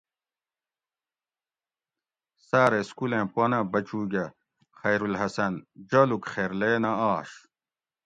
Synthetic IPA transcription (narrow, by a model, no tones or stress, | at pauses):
saːɾeskulẽːpwɐnɐ̃bɐt͡ɕuːɡɐ | xɐjɾulɦɐsɐnd͡ʑɐlukχeːɾleːnɐaːɕ